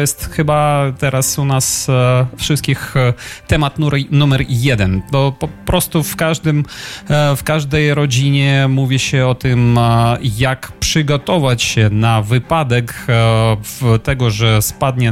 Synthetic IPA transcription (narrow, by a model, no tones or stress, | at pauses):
jɛst̪xɘbat̪ɛɾasunasfʂɨst̪̚kʲixt̪ɛmat̪nunumɛɾjɛd̪ɛnt̪ɔpɔpɾɔst̪ufkaʐd̪ɘm | fkaʐd̪ɛjɾɔd͡ʑiɲɛmuvʲiɕɛɔt̪ɘm | jakpʂɘɡɔt̪ɔvat͡ɕɕɛnavɘpad̪ɛk | vt̪ɛɡɔʐɛspad̪ɲɛ